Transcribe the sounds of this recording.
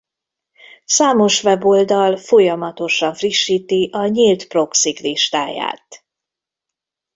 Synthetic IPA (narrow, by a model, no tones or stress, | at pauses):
saːmo̞ʃʋɛbo̞ld̪ɒlfo̞jɒmɒt̪o̞ʃɒɱfriʃːiːt̪iʔɒɲiːlt̪pro̞ksikliʃt̪aːja̰ːt̪